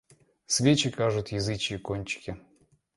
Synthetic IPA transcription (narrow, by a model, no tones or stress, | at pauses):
svʲet͡ɕɪkaʐʊt̪jɪzɨt͡ɕɪːkonʲt͡ɕɪ̥kʲɪ